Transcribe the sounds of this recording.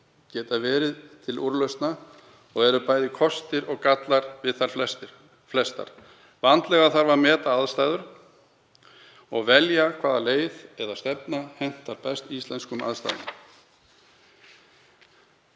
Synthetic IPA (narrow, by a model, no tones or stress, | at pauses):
cɛːt̪avɛːɾɪðt̪ʰɪluɾlœɥst̪na | ɔɣɛɾʏpaːjðɪkʰɔst̪ɪɾɔɣkat̪laɾvɪðθaɾ̥ | flɛst̪a̰ɾ̥ | vant̪lɛɣaθaɾvaɾmɛːt̪aaðst̪aːjðʏɾ | ɔɣvɛljakʰv̥aːðaleːjðɛðast̪ɛpnahɛn̥t̪aɾpɛst̪ist̪ɛnskʏma̰ðst̪a̰jðʏ̰n